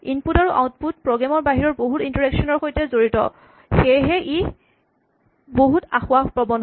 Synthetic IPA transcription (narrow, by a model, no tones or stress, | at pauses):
inputaɹuʔa̰wt̚put̚pɹɔɡɹamɔɹbaɦiɹɔɹboɦutintɔɹɛksɔnɔɹxojtɛzoɹitɔ̰ | xejɦɛʔi | boɦutaxʊaxpɹɔbɔn